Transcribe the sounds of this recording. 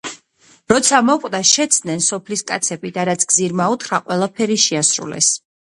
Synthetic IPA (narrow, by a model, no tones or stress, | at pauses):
ɾɔt̪sʰamɔqʼd̪aʃɛt̪sʰd̪nɛnsɔpʰliskʼat̪sʰɛbid̪aɾat̪sʰɡ̥ziɾmaut̪ʰχɾaqʼwɛlˠapʰɛɾiʃiasɾṵlɛ̰s